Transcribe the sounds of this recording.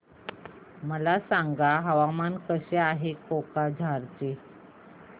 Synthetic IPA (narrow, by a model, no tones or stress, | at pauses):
məlasaŋɡaɦəʋamankəɕeaɦekokad͡ʑʱaɾt͡se